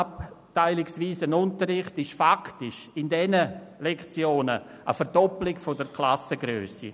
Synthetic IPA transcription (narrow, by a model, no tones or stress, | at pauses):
ap̚taɪlɪksviːsənʊntəɾɪχtɪʃfaktɪʃɪndɛnəlɛkt͡sjoːnə | ə̰fəɾdɔplɪɡfodəɾkʰlasəɡɾøːsḭ